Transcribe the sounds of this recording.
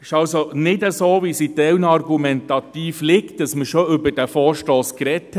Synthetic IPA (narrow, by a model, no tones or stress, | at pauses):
ɪʃɑlsonɪdəsoːʋisitɛwnɑrɡumɛnt̪ɑt̪iːflɪkt̚d̥ɑsməʃoʏbəɾd̥æfɔːɾʃtɔːskɾɛt